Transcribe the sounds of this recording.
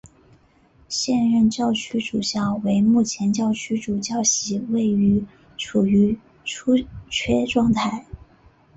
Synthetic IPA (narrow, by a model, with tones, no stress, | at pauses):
ɕjɛ˥˧nɻə˥˧nt͡ɕjɑ˥˧ʊt͡ɕʰy˥ʈ͡ʂu˨˩ɕjɑ˥˩ʊwe˧˥ɪmu˥˩t͡ɕʰjɛ˧˥nt͡ɕjɑ˥˩ʊt͡ɕʰy˥ʈ͡ʂu˨˩t͡ɕjɑ˥˩ʊɕi˧˥we˥˩ɪy˧˥ | ʈ͡ʂʰu˨˩y˧˥ | ʈ͡ʂʰu˥t͡ɕʰɥɛ˥ʈ͡ʂwɑ˥˧ŋt̪ʰa˥˩ɪ